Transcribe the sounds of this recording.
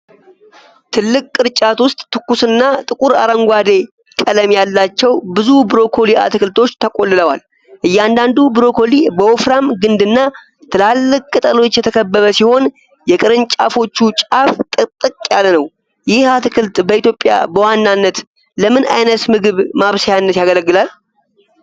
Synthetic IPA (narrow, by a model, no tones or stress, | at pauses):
t̪ʰɨlːɨkʼːɨɾt͡ʃʼat̪wʊst̪ʼt̪ːɨkːusɨnːat̪ʼɨkʼuɾa̰ɾəŋɡʷad̪e̞ | kʼələmjalːat͡ʃːɛwbɨzubɨɾo̞kʰo̞lia̰t̪ʰɨkʰɨlt̪ʰo̞t͡ʃːt̪ʰəkʼo̞lːɨləwa̰l | ʔɨjːɛand̪and̪ubɨɾo̞kʰo̞libəofɾamɡɨnd̪ɨnːa | t̪ʰɨlalːɨkʼkʼɨt̪ʼəlo̞t͡ʃːjɛt̪ʰəkʰəbːəβəsiho̞n | jɛkʼɨɾɨnt͡ʃʼa̰fo̞t͡ʃːut͡ʃʼaft̪ʼɨt̪ʼɨkʼjalənəw | jɪhat̪ʰɨkʰɨlt̪bəit̪jo̞pʼːja̰bəwanːanːət̪ | ləmɨna̰jnət̪mɨɡɨβmaβsajanːət̪jaɡələɡːɨlal